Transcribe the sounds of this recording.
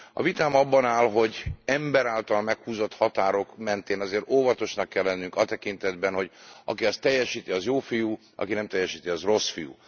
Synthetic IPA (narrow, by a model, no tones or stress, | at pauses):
ɒ̰vit̪aːmɒbːɒnaːlɦo̞ɟɛmbɛɾaːlt̪ɒlmɛkhuːzo̞t̪hɒt̪aːɾo̞kmɛnt̪eːnɒzeːɾoːvɒt̪o̞ʃnɒkːɛlːɛnːyŋkɒt̪ɛkint̪ɛd̪bɛnho̞ɟʔɒ̰kiɒst̪ɛjːɛʃiːt̪iɒzjoːfijuː | ɒ̰kinɛmt̪ɛjːɛʃiːt̪iɒzro̞sfijṵː